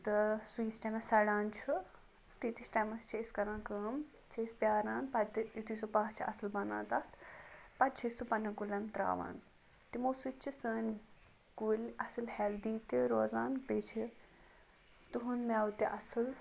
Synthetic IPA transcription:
t̪ɨsuĩːsʈɐmɐsɐɽaːnt͡ʃʰu | t̪it̪it͡ʃʈɐjmɐst͡ʃʰeiskɐɾãːkəːm | t͡ʃʰeispʲjaːɾaːnpɐt̪jut̪ʰiːsopaːt͡ʃʰiɐsɨlbɐna̰ːt̪ɐt̪pɐt̪t͡ʃʰɐsupɐnɐɡulʲɐmt̪ɾa̰ːʋa̰ːn | t̪imoːsɨt͡ʃʰisəːnʲ | ɡulʲɐsɨlhɛld̪iːt̪iɾoːzaːnpet͡ʃʰi | t̪uɦunmɛːwut̪iʔɐsɨl

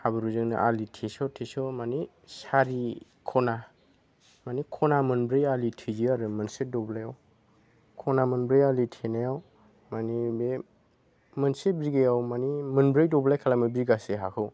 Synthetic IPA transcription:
habɯɾuzɯŋnɯ̰ʔalitʰesɔtʰesɔmani | saɾi | kʰɔna | manikʰɔnamɯnbɾejalitʰiziaɾɯmɯnset̚dɔblajaw | kʰɔnamɯnbɾejalitʰenajaw | manibe | mɯnsebɾiɡejawmanimɯnbɾejdɔblajkʰalamɯbiɡaseɦakʰɯw

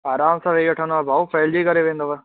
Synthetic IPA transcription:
aːɾaːmsãʋeɡɐʈʰə̃nd̪oabʱaːupɐːld͡ʑikɐɾeʋẽːnd̪oʋɛ

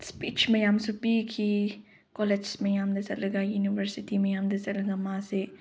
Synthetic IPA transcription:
spiːt͡ʃmẽjãːmsupikʰi | kɔled͡ʒsmẽjaːmd̪esɐlɐɡajuːniʋəɾsɪʈimẽjaːmd̪esɐlɐɡamãːse

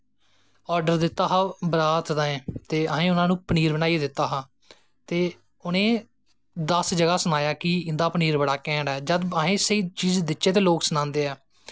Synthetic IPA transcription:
ɔːɾɖəɾd̪ɪt̪ːaːɦaːbəɾaːt̪ʰd̪aːẽːt̪eːəɦẽːʊnãːnũːpəniːɾbənaːid̪ɪt̪ːaːɦãː | t̪eː | ʊnẽː | d̪əsd͡ʒəɡaːsənaːjaːkɪɪnd̪aːpniːɾbəɽaːkɛ̃ːɳɖɛːd͡ʒəd̪əɦẽːsəiːt͡ʃiːd͡ʒd̪ɪʃeːt̪eːloːksnãːnd̪eːɛː

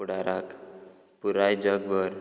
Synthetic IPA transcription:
uɽaɾak | puɾajd͡ʑəɡʋəɾ

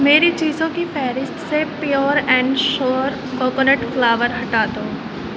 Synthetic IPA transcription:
meːɾit͡ʃiːzõkifɛːɾɪsʈsepijoːɾɛ̃ːɳɖʃɔːɾ | koːkonəʈflaːʋəɾɦɐʈaːt̪oː

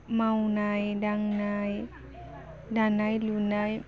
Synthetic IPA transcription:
mawnajdaŋnaj | danajlunaj

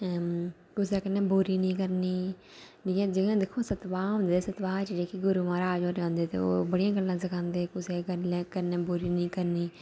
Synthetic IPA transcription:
kʊseːkɪnːẽːbuɾiːnĩːkəɾniː | nɪjãːd͡ʒɪɡãːd̪ɪkʰːõːsət̪ʋaːõːnd̪eːsət̪ʋaːt͡ʃd͡ʒeːkiɡʊɾuːʋãːɾaːd͡ʒoːɾeãːnd̪eːt̪ḛːo̰ːbəɽɪjãːɡəlːãːsəkʰãːnd̪eːkʊseːkənẽːkənẽːbuːɾiːnĩːkəɾniː

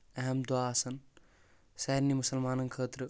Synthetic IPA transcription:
ɐɦɐmd̪waːsɐn | sɛɾnimʊsɐlmaːnɐnkʰəːt̪ɾɨ

